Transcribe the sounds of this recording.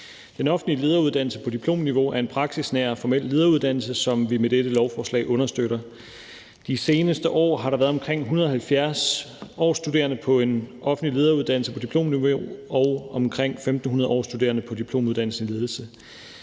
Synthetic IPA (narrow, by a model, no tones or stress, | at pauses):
d̥enɒ̽fn̩lile̝ðˠɐuð̞ˠd̥æn̰l̩səpʰɒ̽dipʰlo̝̰ːmniʋo̝æɐe̝npʰʁɑ̈ɡ̥sisnæɐfɒmel̰le̝ðˠɐːuð̞̥ˠæn̰l̩səsɒ̽mʋimed̥eɾ̥əlɒʊfɒːslɛ̰ɪʔɔ̽nɐsd̥øɾɐ | d̥ise̝ːnəsd̥əʔɒ̰ːɦɑ̈ɾ̥ɑʋæːɐðˠɒ̽mkʰʁeŋ̰ɦunɐðˠɒ̽hælfjæɐsɒ̰ːsd̥ude̝̰ːɐnəpʰɒ̽e̝nɒ̽fn̩lile̝ːð̞ˠɐuðˠd̥æn̰l̩səpʰɒ̽d̥ipʰl̥o̝̰ːmniʋo̝ɒ̽ʊɒ̽mkʰʁeŋ̰femd̥n̩ɦunɐð̞ˠɒ̰ːsd̥ud̥e̝̰ːɐnəpʰɒ̽d̥ipʰlo̝̰ːmuðˠd̥ænl̩sənle̝ð̞ˠl̩sə